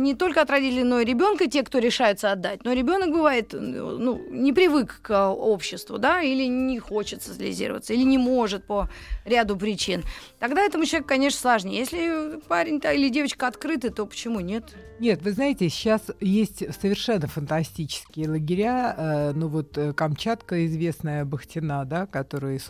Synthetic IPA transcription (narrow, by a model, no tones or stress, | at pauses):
nʲɪt̪o̞lʲkəɐt̪ɾɐdʲitʲɪlʲənoɾʲɪbʲo̞nkətʲe̞kt̪o̞ɾʲɪʂajʊt̪səɐd̪ːat̚ʲno̞ɾʲɪbʲo̞nək̚bɨvaɪt̪nunʲɪpɾʲɪvɨkːo̞pɕːɪst̪vʊ̰d̪ailʲɪnʲɪxo̞t͡ɕɪt̪səzəlʲɪ̰zʲḭɾə̰və̰t̪səilʲɪnʲɪmo̞ʐɨt̪̚pəɾʲad̪ʊpɾʲɪt͡ɕint̪ɐɡd̪aɛt̪əmʊt͡ɕlˠvʲekʊkɐnʲe̞ʂ̬nəslˠɐʐnʲejesʲlʲɪpaɾʲɪnʲt̪ailʲɪdʲe̞vət͡ɕkəɐt̪kɾɨt̪ɨt̪o̞pə̥t͡ɕɪmunʲe̞t̪nʲe̞t̪vɨznajɪtʲɪɕːasjesʲtʲsəvʲɪrʂɛnːəfənt̪ɐsʲtʲit͡ɕɪ̥skʲɪjəlˠəɡʲɪɾʲaənuvo̞t̪kɐmt͡ɕat̪kəɪzvʲesnəjəbəxtʲɪnad̪akɐt̪o̞ɾɨjəs